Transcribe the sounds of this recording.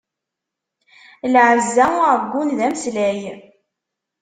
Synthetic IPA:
lʕəzːæɾəɡʷːunðæmslæj

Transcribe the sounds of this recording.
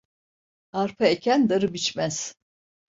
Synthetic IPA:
aɾpʰaecʲʰænd̪aɾɯbit͡ʃmæz̥

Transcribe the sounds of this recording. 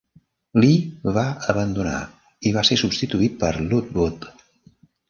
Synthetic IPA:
liβaəβənd̪una̰ | iβ̞asesubst̪it̪uit̪̚pəɾlut̪̚but̪

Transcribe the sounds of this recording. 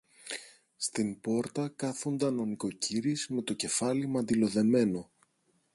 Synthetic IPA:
st̪impo̞ɾt̪ɐkɐθund̪ɐno̞niko̞ciɾizme̞t̪o̞ce̞fɐlimɐnd̪ilo̞ðe̞me̞no̞

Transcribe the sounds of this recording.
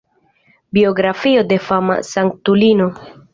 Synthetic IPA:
bio̞ɡɾafio̞de̞fama̰saŋktulino̞

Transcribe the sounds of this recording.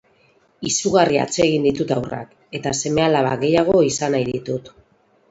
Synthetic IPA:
isuɣaria̰t͡se̞ɣind̪it̪ut̪awra̰k | e̞t̪ase̞me̞alaβaɣe̞jaɣ̞o̞isanajðit̪ut̪

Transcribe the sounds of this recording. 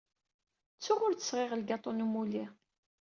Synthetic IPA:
t͡sːʊʁʊɾθə̥sʁɪʁəlɡɑt̪ˤonumuli

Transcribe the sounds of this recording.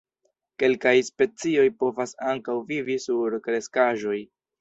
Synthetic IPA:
ke̞lkajspe̞t͡sio̞jpo̞vasaŋkawvivisuɾkɾe̞skaʒo̞j

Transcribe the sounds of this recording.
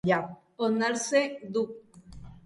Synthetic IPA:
ja | onaɾsed̪uk̚

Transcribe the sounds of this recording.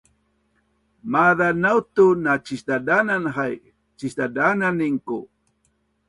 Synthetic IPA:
maðanawt̪unat͡ʃist̪adananxaj | t͡ʃist̪adananiŋku

